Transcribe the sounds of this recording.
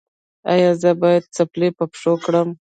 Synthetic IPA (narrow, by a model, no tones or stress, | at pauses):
a̰jɑzəbɑjad̪̚t͡saplepəpʂokɽəm